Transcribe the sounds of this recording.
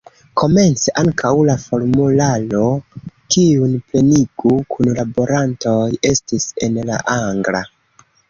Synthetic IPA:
kʰo̞me̞nt͡seʔaŋkʰawlafo̞ɾmulalo̞kiunple̞niɡukʰunlabo̞ɾanto̞je̞stise̞nla̰ʔaŋɡla̰

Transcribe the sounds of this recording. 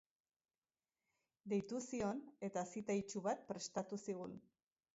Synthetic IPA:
d̪e̞jt̪usio̞ne̞t̪asit̪ait͡ʃuβat̪̚pɾe̞st̪at̪usiɣ̞un

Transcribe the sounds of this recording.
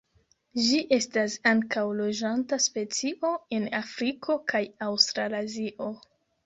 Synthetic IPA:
d͡ʒiʔe̞stasaŋkawlod͡ʒantaspe̞t͡siʔo̞e̞nafɾikʰo̞kʰajawstɾalaziʔo̞

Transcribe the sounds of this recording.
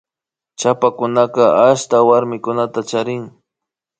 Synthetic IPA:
t͡ʃapakʊnaqɑaʃt̪awaɾmɪkʊnat̪at͡ʃaɾɪŋ

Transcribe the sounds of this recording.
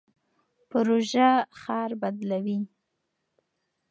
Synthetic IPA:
pʊɾoʒaxɑɾbad̪lawi

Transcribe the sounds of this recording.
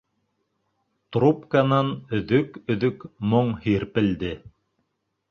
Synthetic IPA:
t̪ɾupkanɑnɵ̆ðɵkɵ̆ðɵkmoɴhiɾpɘ̆ld̪ɘ

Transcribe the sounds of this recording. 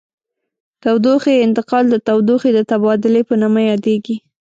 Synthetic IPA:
t̪awd̪oxeɪnt̪ɪqɑld̪ət̪awd̪oxed̪ət̪abɑd̪ɪlepənamajɑd̪eɡi

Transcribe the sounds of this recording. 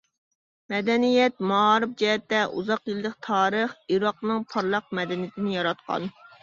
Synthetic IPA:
mɛd̪ɛnijɛt̪mɑɑːɾɨp̚d͡ʒɛɦɛt̪ːɛʔṵzɑqjilˠd̪ɨqt̪ʰɑːɾəχiɾɑqnɨŋpʰɑɾlˠɑq̚mɛd̪ɛnijt̪ʰɪnɪjɑɾɑt̪qʰɑ̰n

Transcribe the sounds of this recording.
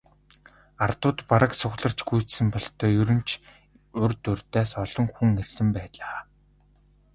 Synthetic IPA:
art̪ʊːt̪paɾə̆ksʊɣɮə̆r̥t͡ɕɡujʰt͡ssɘ̆mpɔɮt̪ʰœːjɵɾɵ̆n̥t͡ɕʰ | ʊrt̪ɵrt̪æːsɔɮɞ̆ŋxuŋːersɘ̆mpæːɮaː

